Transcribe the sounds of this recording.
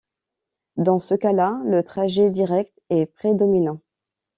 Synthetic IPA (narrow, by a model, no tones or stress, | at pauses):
d̪ɑ̃səkalalət̪χaʒɛd̪iʁɛk̚t̪ɛpχed̪ɔminɑ̃